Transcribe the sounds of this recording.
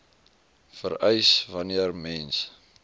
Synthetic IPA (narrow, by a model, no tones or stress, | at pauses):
fəɾəjsvɐniərmɛns